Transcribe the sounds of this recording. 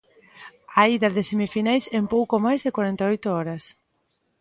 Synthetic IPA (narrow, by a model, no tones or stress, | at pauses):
aiðaðɪsemifinajsɛmpowkomajzðɪkwaɾɛnt̪aɔjt̪oɔɾas